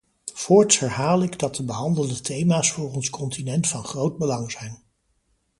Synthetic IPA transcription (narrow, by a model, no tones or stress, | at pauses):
fʊːɹtshɛɹɦaːlɪɡdɑt̚dəbəɦɑndəlˠdətʰejmaːsfʊːrɔnskɔntinɛntfɑnχrowd̚bəlɑŋzɛjn